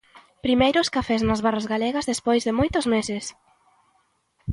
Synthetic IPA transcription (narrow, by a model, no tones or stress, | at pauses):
pɾimejɾʊskafɛznɐzβarazɣalɛɣɐzðespojzðɪmojt̪ʊzmesɪs